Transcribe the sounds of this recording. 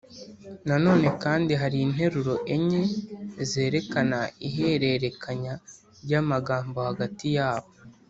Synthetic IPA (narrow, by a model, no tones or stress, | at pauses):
nano̞ːne̞kaːndiɦaɾiːn̥ɦe̞ɾuɾo̞ʔeɲezeːɾe̞kanaiɦe̞ɾe̞ɾe̞kʰaɲa | ɾɟaːmaɡaːmbo̞haɡatijaːβo